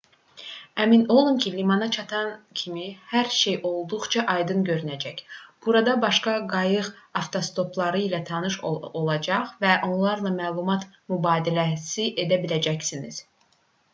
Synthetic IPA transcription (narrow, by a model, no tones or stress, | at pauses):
æmino̞lˠumcʰilimɑnɑt͡ʃʰɑt̪ʰɑncʰimihæɾʃe̞jʔo̞lˠd̪uʁt͡ʃʰɑʔɑjd̪ɯnɟø̞ɾynæd͡ʒæcb̥uɾɑd̪ɑbɑʃkɑɡɑjɯʁ | ɑft̪ʰo̞st̪o̞pʰlˠɑɾɯilæt̪ʰɑnɯʃoolˠɑd͡ʒɑʁvæʔo̞nlˠɑɾlˠɑmæːlˠumɑt̪ | mybɑːd̪ilæsiʔe̞d̪æbilæd͡ʒæcsiniz̥